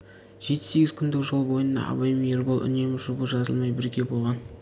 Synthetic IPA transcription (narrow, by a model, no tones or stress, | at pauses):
ʒ̥e̞t̪ɪ̥se̞ɡʲɪz̥kʲʰʏnd̪ɪkʒo̞lˠbo̞jənd̪ɑ̰ɑ̰bɑjmjerbolˠʔʏ̰ne̞mɪʒʊbəʒɑzəlˠmɑjbɪɾɡʲe̞bo̞lˠʁɑn